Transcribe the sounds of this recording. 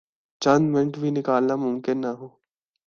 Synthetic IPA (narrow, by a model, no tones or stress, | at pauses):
d͡ʒãnmɪ̃ɳʈbʱinɪkaːlnamʊmkɪnːaɦoː